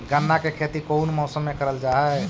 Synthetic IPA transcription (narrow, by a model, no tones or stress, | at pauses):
ɡənːakekʰet̪ikoʊnmɔːsəmːekəɾəld͡ʒaɦɛ